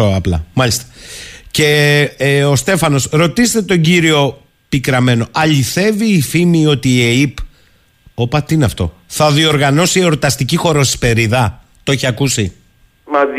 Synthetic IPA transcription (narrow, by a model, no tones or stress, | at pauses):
oɐplɐ̰mɐʎist̪ɐ̥ce̞ | o̞st̪e̞fɐno̞sɾo̞t̪ist̪e̞t̪o̞ɟiɾio̞ | pikɾɐme̞no̞ʔɐʎiθe̞viːfimio̞t̪ieip | opɐt̪iineɐft̪o̞̰θɐðio̞ɾɣɐno̞sieoɾt̪ɐst̪icixo̞ɾo̞si̥spe̞ɾiðɐ | t̪oeçiɐkusi | mɐ